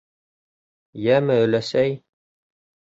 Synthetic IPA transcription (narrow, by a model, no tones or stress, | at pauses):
jæmɘɵ̆læsæj